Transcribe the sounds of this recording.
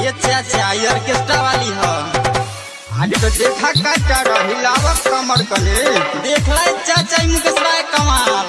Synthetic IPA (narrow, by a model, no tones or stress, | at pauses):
jet͡ʃʰat͡ʃʰajəɾkesʈabaliɦə | anit̪əd̪ekʰakaʈaɾəɦilabəkːəməɽkəled̪ekʰlajt͡ʃat͡ʃaɦimukestaekəma